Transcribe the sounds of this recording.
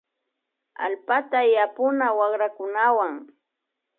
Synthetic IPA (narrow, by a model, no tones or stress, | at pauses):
a̰lpat̪ajapʊnawaχɾakʊnawaŋ